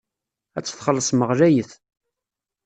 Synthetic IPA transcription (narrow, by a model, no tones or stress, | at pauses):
æt͡sːə̥θχəlːəsˤməʁlæjəθ